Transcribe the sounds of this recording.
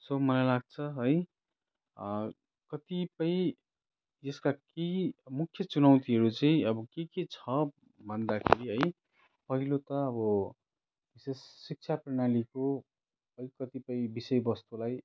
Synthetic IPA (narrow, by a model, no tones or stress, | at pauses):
somʌlajlaɡ̚t͡sʰʌɦʌj | kʌt̪ipʌj̃ | d͡zʌskakemukʰjʌt͡sunʌwt̪iɦʌɾut͡saĩʌbʌkeket͡sʰʌ | bʱʌnd̪akʰḛɾiɦʌj | pʌɦilot̪ʌːbʌ | bisesːik̚t͡sʰaprʌɽ̃aliko | ʌjkʌt̪ipʌĩbisʌjbʌst̪ulaj